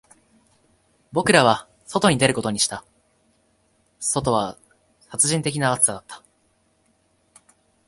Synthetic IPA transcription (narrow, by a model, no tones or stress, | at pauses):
bo̞kɯ̟ɾaβ̞a | so̞t̪o̞ɲ̟id̪e̞ɾɯ̟ko̞t̪oɲ̟iɕi̥t̪a | so̞t̪o̞β̞a | sat͡sɨʑĩnt̪e̞kʲinaːt͡sɨ̥sad̪at̪ʰːḁ